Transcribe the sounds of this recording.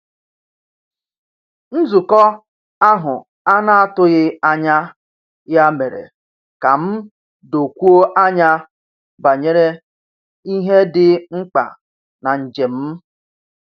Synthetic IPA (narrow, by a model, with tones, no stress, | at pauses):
n̩˦zu˨kɔ˦ | a˦ɦʊ˨ | a˦na˨a˦tʊ˦ɣɪ˦a˦ɲa˦ | ja˦me˨ɾḛ˨ | ka˨m̩˦ | do˨kʷu˦o˦ʔa˦ɲa˦ | ba˨ɲe˦ɾe˦ | i˦ɦe˦dɪ˦ŋ͡m̩˦k͡pa̰˨ | na˨n̩˨d͡ʒe˨m̩˦